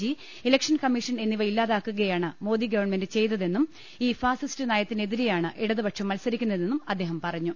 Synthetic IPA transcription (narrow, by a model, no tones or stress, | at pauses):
i | elɐkʂɐnkɐmːiʂɐne̞nːiʋɐjilːaːðaːkːuɣɐjaːɳɨmo̞ːd̪iɡɐʋɐrɳme̞ndɨt͡ɕe̞jt̪ɐðe̞nːum | iːfaːsistɨnaːjɐt̪ːine̞ðiɾejaːɳɨʔeɽɐðɨbɐʈʂɐmːɐlsɐɾikʲːunːɐðe̞nːumɐd̪ːe̞ːɦɐmpɐrɐɲːu